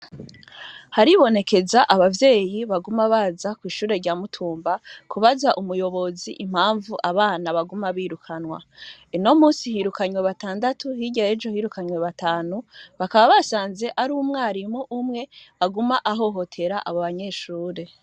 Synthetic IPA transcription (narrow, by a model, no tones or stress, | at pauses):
haɾiβo̞ne̞ke̞zaʔaβavje̞ːjiβaɡumaβaːzakwiːʃuːɾe̞ɾɟaːmutʰuːmbakʰuβazaʔumujo̞βo̞zḭʔim̥haːɱvuʔaβaːnaβaɡumaβiːɾukʰanwa̰ino̞muːsihiɾukaɲweβataːndatuhiɟaed͡ʒo̞hiːɾukaɲweβataːnuβakaβaβasaːnze̞ʔaɾuːmŋaːɾimuʔumŋe̞aɡumaʔaɦo̞ɦo̞tʰe̞ɾaʔaβoβaɲe̞ːʃuːɾe̞